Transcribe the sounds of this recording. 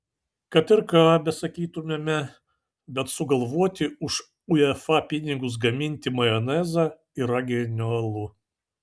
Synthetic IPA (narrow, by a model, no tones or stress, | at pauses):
kɐt̪ɪɾkɑːbʲɛsɐkʲiːt̪ʊmʲemʲɛ | bʲɛt̪sʊɡɐlˠʋuɔt̪ʲɪʊʃ | ʊɛfɑpʲɪnʲɪɡʊs̬ɡɐmʲɪnʲt̪ʲɪmɐjɔnʲɛzɐ | ɪɾɐɡʲɛnʲoɐlˠʊ